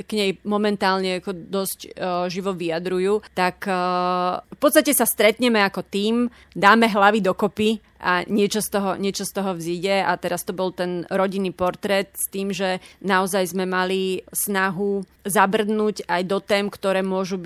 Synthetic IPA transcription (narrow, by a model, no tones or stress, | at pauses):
ɡɲɛjmɔmɛnt̪aːlɲɛakɔd̪ɔzcʒiʋɔʋiad̪ɾujuːt̪akː | fpɔt̪st̪acɛsast̪ɾɛt̪ɲɛmɛakɔt̪iːm | d̪aːmɛɦlaʋid̪ɔkɔpi | ʔa̰ɲɪɛt͡ʃɔst̪ɔɦɔɲɪɛt͡ʃɔst̪ɔɦɔʋziɟɛat̪ɛɾast̪ɔbɔlt̪ɛnɾɔɟinːiːpɔɾt̪ɾɛt̪st̪iːmʒɛnaɔzajzmɛmalisnaɦu | zabr̩d̪nuːɟajd̪ɔt̪ɛːmkt̪ɔɾɛːmʊɔʒub